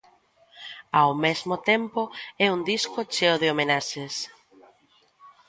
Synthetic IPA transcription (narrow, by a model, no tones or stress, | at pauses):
awmezmot̪empoɛuŋd̪iskot͡ʃeoðɪomenaʃes